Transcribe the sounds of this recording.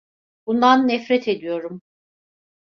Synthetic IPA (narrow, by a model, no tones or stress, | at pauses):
bund̪anːɛfɾɛt̪ʰe̞d̪ijo̞ɾum